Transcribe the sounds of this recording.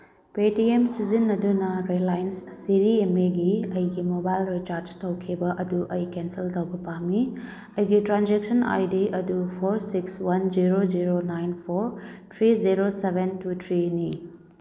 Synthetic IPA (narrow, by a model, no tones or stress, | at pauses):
petiemsizinːɐdunɐɾedlajnsːiɾiemeɡiɐjɡimobajlɾit͡ʃaɾd͡ʒtɐwkʰibɐʔɐduʔɐjkensiltɐwbɐpami | ɐjɡitɾand͡ʒek̚sɐna̰jdiɐdupʰoɾsikswɐnd͡ʒiɾoziɾonajnpʰoɾt̪ʰɾiziɾosebʱentutʰɾini